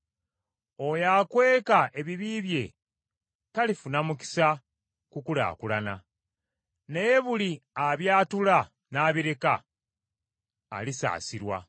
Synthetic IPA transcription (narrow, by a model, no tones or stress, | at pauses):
ojaːkwe̞ːkaʔe̞βiβiβje̞ | talifunamuki̥sa | kukula̰ːkulana | nejeβuliaβjaːtula | naːβiɾe̞ka | lisa̰ːsiɾwa̰